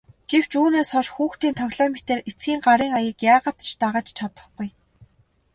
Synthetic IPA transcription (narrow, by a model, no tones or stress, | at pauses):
ɡ̥ew̥t͡ɕuːneːsχɔʃxuːxt̪iːnt̪ʰœɣʲɮɔːmet̪eːret͡sɡʲiːŋɢaɾiːŋajiːkjaːʁə̆t̪t͡ɕʰt̪aʁaːt͡ɕt͡ɕʰat̪ə̆χɡuj